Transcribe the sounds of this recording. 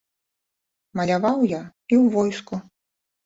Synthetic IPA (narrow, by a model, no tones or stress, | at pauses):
mɐlʲavawjaiwvɔjsku